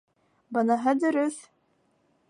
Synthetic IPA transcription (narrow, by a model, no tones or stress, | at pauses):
bɤnɑɦɤd̪ɵ̆ɾɵθ